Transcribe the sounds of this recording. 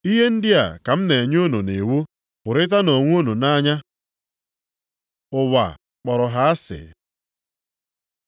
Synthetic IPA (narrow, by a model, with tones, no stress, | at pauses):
i˦ɦe˦n̩˦dɪ˦a̰˨ka˨m̩˦ne˨ɲ˦o˦no˨ne˨wu˦ | pʊ˨ɾɪ˦t̬a˦no˨ŋʷ˦o˦nu˨na˦ɲa˦ | ʊ˨wa̰˨ | k͡pɔ˨ɾɔ˨ɦa˨˦a˦sɪ̰˨